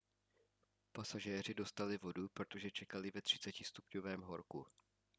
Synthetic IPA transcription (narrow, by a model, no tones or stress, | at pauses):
pasaʒɛːr̝ɪdo̞st̪alɪvo̞dupɾot̪o̞ʒɛt͡ʃɛkalɪvɛt̪r̝̥ɪ̥t͡sɛcɪst̪upɲovɛːmɦo̞ɾku